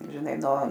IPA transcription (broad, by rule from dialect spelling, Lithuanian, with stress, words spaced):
ʒʲɪˈnɐɪ noː